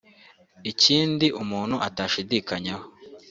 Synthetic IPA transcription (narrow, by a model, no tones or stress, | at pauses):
iciːndiʔumuːn̥huʔataːʃidiːkaɲaho